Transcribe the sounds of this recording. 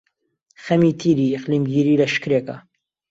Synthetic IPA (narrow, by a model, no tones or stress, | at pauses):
xɐmiːt̪ʰiːɾiːɪqliːmɡiːɾiːlɐʃkɨɾeːkɐ̰